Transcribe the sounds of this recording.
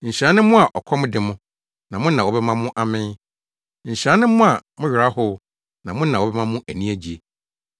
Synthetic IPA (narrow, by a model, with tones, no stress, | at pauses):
ɲ̩˨ɕa˨˦nʊ̃˦mʊ̃˦a˨ʔɔ̰˨kʰɔ˦mʊ̃˦dɪ˨mʊ̃˦ | nã˨mʊ̃˦n̩˦nã˨wɔ˨˦bɛ˦mã˦mʊ̃˦ʔa˨mɪ̃˦ | ɲ̩˨ɕa˦nɪ̃˦mʊ̃˦a˨mʊ̃˦ɥᶣɪ˨ɾa˦hʊ˦ | nã˨mʊ̃˦nã˨wɔ˨˦bɛ˦mã˦mʊ̃˦ʔæ˨nĩ˦æ˨d͡ʑi˨e˨